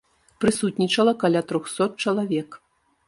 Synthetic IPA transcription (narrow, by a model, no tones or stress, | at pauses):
pɾɨsut̪ʲnʲit͡ʂɐlˠɐkalʲat̪ɾɔxsɔt̪̚t͡ʂɐlˠavʲɛk